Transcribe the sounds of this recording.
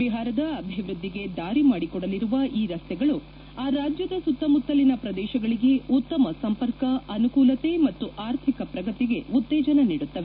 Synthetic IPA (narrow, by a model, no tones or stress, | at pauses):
iɦaːɾɐd̪ɐɐbʱiʋɾud̪ːiɡe̞d̪aːɾimaːɽikɔɽɐliɾuʋɐʔiːɾɐst̪ɛɡɐɭu | aːɾaːd͡ʒjɐd̪ɐsut̪ːɐmut̪ːɐlinɐpɾɐd̪ɛːʃɐɡɐɭiɡe̞ut̪ːɐmɐsɐmpɐɾkɐɐnukuːlɐt̪e̞mɐt̪ːuʔaːɾt̪ʰikɐpɾɐɡɐt̪iɡe̞ut̪ːɛːd͡ʒɐnɐniːɽut̪ːɐʋe